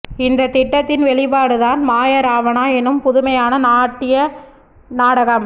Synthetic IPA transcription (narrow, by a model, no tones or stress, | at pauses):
ɪnd̪ɐt̪ɪʈːɐt̪ːɪnʋɛɭɪpaːɽɯðaːnmaːjɐɾaːʋɐnaːɛnːɯmpʊðʊmɐjaːnɐnaːʈːɪjɐ | naːɽɐɣɐm